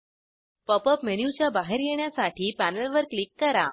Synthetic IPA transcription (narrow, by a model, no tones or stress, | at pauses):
pəpəpmeɽ̃jut͡ɕjabaɦeɾjeɳjasaʈʰiːpænəlʋəɾklikːəɾa